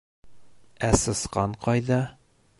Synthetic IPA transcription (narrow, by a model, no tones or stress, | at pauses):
æsɤ̆sqɑɴqɑjðɑ